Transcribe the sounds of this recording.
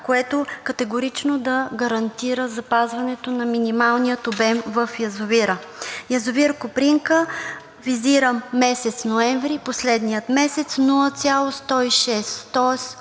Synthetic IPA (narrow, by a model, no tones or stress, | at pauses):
koɛt̪okɐt̪ɛɡoɾit͡ʃnod̪ɐɡɐɾɐnt̪iɾəzɐpazvɐnɛt̪onɐminimalˠnijət̪obɛmvəfjɐzʊviɾəjɐzʊviɾkopɾiŋkə | viziɾəmːɛsɛt̪snoɛɱvɾiposlɛd̪nijət̪mɛsɛt̪snulˠət̪sʲjalˠost̪ɔiʃɛst̪ɔɛs